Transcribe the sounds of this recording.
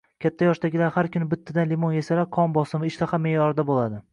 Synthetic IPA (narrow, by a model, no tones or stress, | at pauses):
kʲʰat̪ʰːajɒʃd̪aɡʲɪlaɾhaɾkʲʰʊnɪbɪt̪ʰːad̪anlɪmonjesalaqʰɒmbɒsɪmɪɪʃt̪aχamːejɒɾɪd̪abolˠad̪ɪ